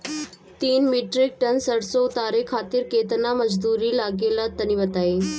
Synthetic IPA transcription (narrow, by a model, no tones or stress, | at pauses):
t̪iːnmiʈɾik̚ʈənsəɽsout̪aɾekʰat̪iːɾket̪naməd͡zd̪uɾiːlaɡelat̪əniʋət̪ai